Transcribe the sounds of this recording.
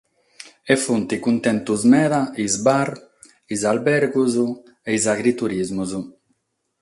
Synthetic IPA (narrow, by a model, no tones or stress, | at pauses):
efunt̪ikunt̪ɛnt̪uzmɛːðaizbaɾ | izalbɛɾɡuzu | eizaɡɾit̪uɾizmuzu